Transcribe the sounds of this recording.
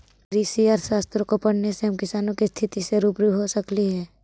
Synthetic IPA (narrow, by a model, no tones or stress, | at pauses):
kɾiːsiaːɾʃaːst̪ɾõkopɐɽ̤neseɦɐmkɪsaːnõkist̪ʰɪt̪iseɾuːpɾuɦosəkliɦɛː